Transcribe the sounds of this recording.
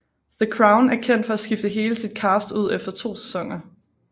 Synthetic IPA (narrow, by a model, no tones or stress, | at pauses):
ðəkʰʁäʊnæɐkʰen̰d̥fɒ̽æsɡ̥ifd̥əɦe̝ːləsid̥̚kʰɑːsd̥uð̞̰ˠefd̥ɐt͡sʰo̝̰ːse̥sɒ̽ŋ̰ɐ